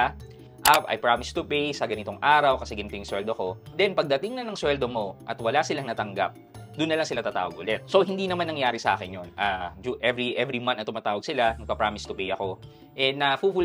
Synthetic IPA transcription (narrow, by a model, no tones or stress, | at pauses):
ʔapʔɐ̰jpɹamɪst̪ʊpɛjsɐɡɐnɪt̪o̞ŋʔaːɾɐwkɐsɛɡɐnɪt̪ɪjɪŋswɛld̪oko̞d̪ɛnpɐɡ̚d̪ɐt̪ɪŋnɐnɐŋswɛld̪omo̞ʔɐt̪wɐlasɪlaŋnɐt̪ɐŋɡa̰p̚d̪ʊnːɐlaŋsɪlat̪ɐːt̪a̰ːwɐɡ̚ʔʊlɛt̪̚so̞ɦɪnd̪inɐmanːɐŋjaːɾɪsɐʔa̰ːkɪnjonaːd͡ʒuʔɛvɹiʔɛvɾimɐ̃nnɐt̪ʊmaːt̪aːwɐɡ̚sɪlanɐɡ̚pɐpɾaːmɪst̪ʊpɛjʔɐko̞ | ʔɛɐfuful